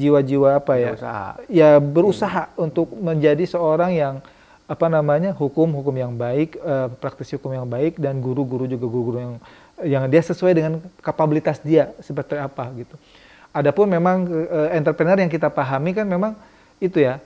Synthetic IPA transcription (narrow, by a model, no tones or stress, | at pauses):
d͡ʒiwad͡ʒiwaːpajasa̰a̰jabəɾusaɦaunt̪ʊk̚məɲd͡ʒadisəoɾaŋjaŋ | apanamaɲaɦukʊmɦukʊmjaŋbaɪkəpɾak̚t̪ɪshukʊmjaŋbaɪk̚danɡuɾuɡuɾud͡ʒuɡaɡuɾuɡuɾujaŋ | jaŋdiasəsuajdəŋankapabilit̪asdiasəp̬ərt̪iapaɡit̪u | adapʊnmemaŋəɛnt̪ərpɾənərjaŋkit̪apaɦamikanmemaŋ | it̪uja